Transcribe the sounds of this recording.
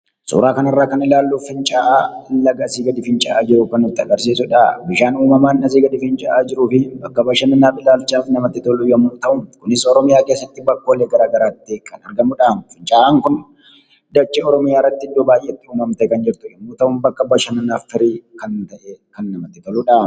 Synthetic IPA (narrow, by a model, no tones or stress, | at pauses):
sṵːɾaːkɐnɐrːaːkɐnɪlaːlːufɪnt͡ʃʼaːʔaːlɐɡɐsiːɡɐd̪ɪfɪnt͡ʃʼaːʔaːd͡ʒɪɾʊkɐnːʊt̪ːɪɐ̰ɡɐɾsiːsʊᶑaːbɪʃaːnuːmɐmaːnnɐs̬iːɡɐd̪ɪfɪnt͡ʃʼaʔaːd͡ʒɪɾuːfɪbɐkːɐbɐʃɐmɪnːaːfɪlaːlt͡ʃaːfnɐmɐt̪ːɪt̪ɔlːujɐmːuːt̪ɐʔʊnkʊnɪsɔɾɔmɪjaːkeːsːɐt̪ːɪbɐkːoːlːeɡɐɾaːɡɐɾaːt̪ːɪkʰɐnɐɾɡɐmʊᶑaːmfɪnt͡ʃʼaːʔaːŋkʊn | d̪ɐt͡ʃːeɔɾɔmɪjaːɪrːɐt̪ːɪɪd̪ːoːbaːjʔːeːɪt̪ːɪuːmɐmt̪ɐɛkɐnd͡ʒɪɾt̪ʊjɐmːuːt̪ɐʔʊnbɐkːɐbɐʃɐmɪnːaːffɪɾiːkɐnt̪ɐʔekɐnːɐmɐt̪ːɪt̪ɔluᶑaː